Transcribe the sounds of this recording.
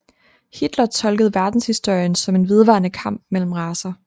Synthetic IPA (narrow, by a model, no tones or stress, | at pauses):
hid̥lɐt͡sʰɒ̽lɡ̥əðˠʋæɐd̥n̩shisd̥o̝ɐ̰jənsɒ̽me̝nʋe̝ð̞ˠʋɑ̰̈ːnəkʰɑ̈m̰b̥̚mel̰m̩ʁɑ̈ːsɐ